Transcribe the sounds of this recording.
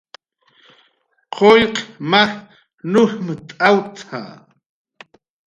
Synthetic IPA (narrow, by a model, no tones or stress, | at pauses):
qʰoʎqmax | nʊxmət̪ʼawt̪ʰa̰ː